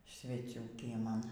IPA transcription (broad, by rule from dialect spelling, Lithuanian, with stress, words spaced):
sʲʋʲɛˈt͡sʲuː kʲiɛˈmɐn